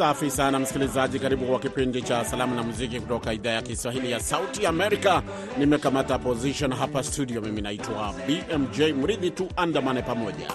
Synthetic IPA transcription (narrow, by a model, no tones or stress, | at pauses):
safisanam̩si̥kilizaʄikaɾiɓukwakipindit͡ʃasalamunamuzikikutɔkaiðaːjakiswahilijasautiamɛɾika | nimɛkamatapɔziʃɔnɦapastuɗiɔmiminaitwabiʔɛmd͡ʒɛjm̩ɾiðituʔandamanɛpamɔʄa̰